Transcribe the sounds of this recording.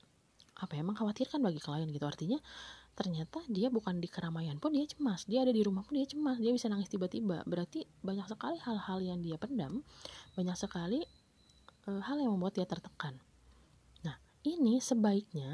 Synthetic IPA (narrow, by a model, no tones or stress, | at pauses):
ʔapaɛməŋkawat̪irkanbaɡikəlajanɡit̪uart̪iɲat̪ərɲat̪adiabukandikəɾamajanpʊndiat͡ʃəmasdiaːdadiɾumahpʊndiat͡ʃəmasdiabisanaŋɪst̪ibat̪iba̰bəɾart̪i | baɲaksəkalihalhaljaŋdiapəndambaɲaksəkali | əhaljaŋməmbuat̪̚diat̪ərt̪əkanː | ah | inisəbaik̚ɲa